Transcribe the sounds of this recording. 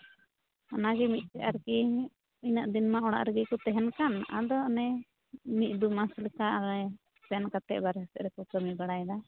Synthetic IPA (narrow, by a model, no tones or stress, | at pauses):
anaɡɛmit̪̚ˀtɛʔaɾki | inaʔd̪inmaʔɔɽ̃a̰ʔɾəɡikɔt̪ɛɦɛnkana̰d̪ɔnɛ | mit̪̚ˀd̪umaslikaɾɛ | sɛnkat̪ɛ̰ʔbaɾɛsɛʔɾɛkɔkəmibaɽajd̪a